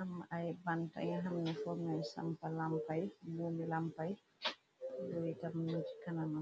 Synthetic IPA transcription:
hamaʔajbanta̰ɲaɦamnɛfɔmasa̰mpalampajbuːmilampaj | jɔjitamnuti̥kanana

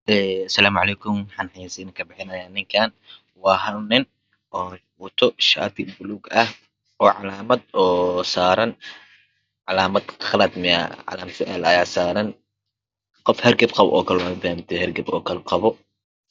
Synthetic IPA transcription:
ʔɛːsɐlaːmʕɑlɛːkʰʊmwħɑnħisɛɪnːkʰɐbɪħɪnɐjaːnɪŋkʰaːn | wɑːɦɐlnɪn | ʔɔː | wɔt̪ʰɔʃa̰ːt̪ʰɪbʊluːɡɐh | ɔːʕɑlaːmɐd̪̚ɔːsaːɾɐn | ʕɑlaːmɐd̪χɐlɐd̪mɪja̰ʕɑ̰laːmsʰɪʔɛ̰lɐjaːsaːɾɐn | qɔfhɛrɡɐbqɑβɔ̰ʔɔ̰ːkʰɐlɛwɑfɐamt̪ʰɛhɛrɡɐbɔːkʰɐlɛqɑβɔ

